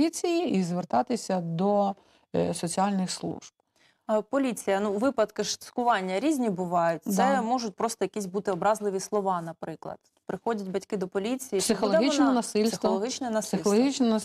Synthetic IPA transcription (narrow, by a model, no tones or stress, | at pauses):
it͡sʲijiizʋert̪ɑt̪ɪsʲɐd̪ɔ | sɔt͡sʲiɑlʲnɪxslˠṵʒ̥b̚ | pɔlʲit͡sʲijɐnuʋɪpɐd̪kɪʃt̪ɪ̥skʊʋɑnʲːɐɾʲizʲnʲibʊʋɑjʊtʲt̪sɛmɔʒʊtʲpɾɔst̪ɔjɐkʲizʲbut̪ɪɔbɾɑzlˠɪʋʲislˠɔʋɑnɐpɾɪklˠɐ̰d̪̥ | pɾɪxɔdʲɐtʲbɐtʲkɪd̪ɔpɔlʲit͡sʲijisɪxɔlˠɔɦit͡ʃnɛnɐsɪlʲsxɔlˠɔɦit͡ʃnɛnɐssɪlˠɦit͡ʃnɛnɐ